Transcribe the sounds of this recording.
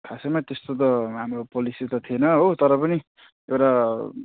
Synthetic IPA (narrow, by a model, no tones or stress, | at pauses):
kʰasemat̪est̪ot̪̬ʌɦamropolisit̪ʌt̪ʰienʌɦot̪ʌɾʌpʌni | ewʈa